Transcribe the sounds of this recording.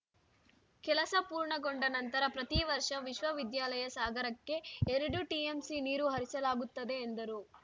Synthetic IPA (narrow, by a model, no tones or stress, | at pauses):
kɛlɐsɐpuːɾɳɐɡo̞ɳɖɐnɐnt̪ɐɾɐpɾɐt̪iʋɐɾʂɐʋiʃʋɐʋid̪jaːlɐjɐsaːɡɐɾɐkːe̞ːɾɐɽuʈiemsiniːɾuɦɐɾisɐlaːɡut̪ːɐd̪e̞ːnd̪ɐɾu